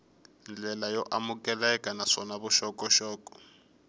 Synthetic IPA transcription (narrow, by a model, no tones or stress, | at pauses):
nd͡ɮɛlajɔʔamukɛlaɛkʼanaʂɔnaβuʃɔkʼɔʃɔːkɔ̥